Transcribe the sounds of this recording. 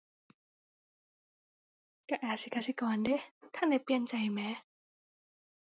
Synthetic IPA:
ka˧˩ʔaː˨˩si˧˦ka˧si˧˦kɔː˨nde˧˦t̪ʰa˧˥nda˧˩jpli˧ənt͡ɕa˧˩jmɛː˨˦˥

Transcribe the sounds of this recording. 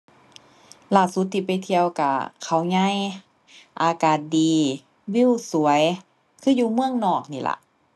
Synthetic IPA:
laː˧˩su˧˦t̪ʰːiː˧˩pa˨jt̪ʰi˧əwka˧˩kʰa˨˩wɲa˧˥˨j | ʔaː˧kaː˨˩t̪̚diː˨˧˩ | wi˧˥˨wsu˧˩əj | kʰɯː˧˥˨juː˧mɯ˧əŋnɔː˧˩k̚niː˧˩lʔa̰˧ʔ

